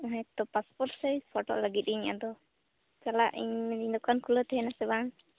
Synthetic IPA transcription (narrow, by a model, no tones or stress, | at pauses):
ɔɦãt̪ɔpaspɔɾsɛjpʰɔʈɔ̰ʔləɡit̪̚ˀiɲa̰d̪ɔ | t͡ʃalaʔḭɲmɛd̪iɲd̪ɔkankʰulət̪ʰɛɦɛnasɛbaŋ